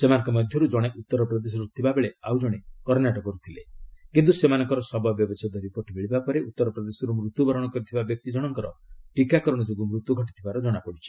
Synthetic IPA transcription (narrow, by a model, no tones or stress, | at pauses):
semanɔ̃ŋkɔmɔd̪ʱjɔɾud͡ʒɔɽ̃eʔut̪ːɔɾɔpɾɔd̪es̬ɔɾut̪ʰibabeɭeawd͡ʒɔɽ̃ekɔɾnaʈɔkɔɾut̪ʰilekint̪usemanɔŋkɔɾɔsɔbabjɔbesɔt̪ɔɾipɔʈimiɭibapɔɾeʔut̪ːɔɾɔpɾɔd̪esɔɾumɾut̪ːubɔɾɔɽ̃ɔkɔɾit̪ʰibabjɔk̚t̪id͡ʒɔɽ̃ɔŋkɔɾɔʈikakɔɾɔɽ̃ɔd͡ʒoɡumɾut̪ːuɡʱɔʈit̪ʰibaɾɔd͡ʒɔɽ̃apɔɽit͡ʃʰi̥